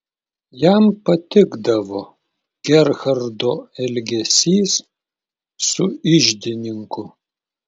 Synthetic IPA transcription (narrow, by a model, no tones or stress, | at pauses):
jæmpɐt̪ʲɪɡd̪ɐʋoː | ɡ̥ʲɛɾɣɐɾd̪oːɛlʲɡʲɛsʲiːs | sʊɪʒʲd̪ʲɪnʲɪŋkʊ